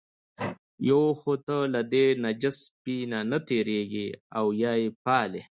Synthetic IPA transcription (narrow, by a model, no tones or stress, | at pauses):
jowxot̪əlad̪enad͡ʒɪspinanat̪eɾeɡiawjaːjepɑːle